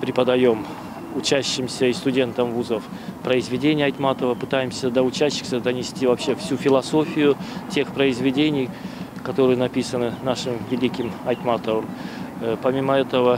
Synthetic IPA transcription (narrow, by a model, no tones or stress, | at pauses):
pɾʲɪpəd̪ɐjo̞m | ʊt͡ɕæɕːɪmsʲəist̪ʊdʲe̞nt̪əmvuzəf | pɾəɪzvʲɪdʲenʲɪjəɐjt̪mat̪əvəpɨt̪ajɪmsʲəd̪əʊt͡ɕæɕːɪ̥xsʲəd̪ənʲɪsʲtʲivɐpɕːe̞fsʲufʲɪlˠɐso̞fʲɪjʊtʲe̞xpɾəɪzvʲɪdʲenʲɪj | kɐt̪o̞ɾɨjənɐpʲisənɨnaʂɨmvʲɪlʲikʲɪmɐjt̪mat̪əvəm | pɐmʲiməɛt̪əvə